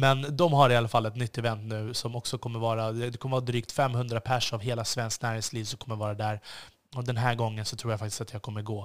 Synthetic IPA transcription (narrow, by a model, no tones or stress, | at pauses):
mɛnd̪ɔmɦaɾɪalːafalːɛt̪nʏt̪ːɛvɛnt̪nʉ̟ːsɔmɔksɔkʰɔmːəɾvɑːɾaɛd̪ɛkʰɔməɾvɑːad̪ɾyːk̚t̪fɛmːhɵnd̪ɾapʰæʂavɦeːlasvɛnsknæːɾhɪŋsliːvsɔmkʰɔmːəɾvɑːɾad̪æːɾ | ɔd̪ɛnɦæːɾɡɔŋːənsɔt̪ʰɾuːjafak̚t̪ɪ̥st̪at̪jaːɡ̚kʰɔmːəɾɡoː